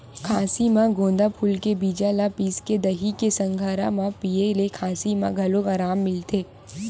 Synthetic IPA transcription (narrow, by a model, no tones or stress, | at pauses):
kʰaːsimãɡõːnd̪apʰʊlkebiːd͡ʒalapiːsked̪ɐɦikesɐ̃ŋɡʱaːɾa̰mãpielekʰaːsimã̰ɡʱɐlokaːɾaːmːɪlt̪eː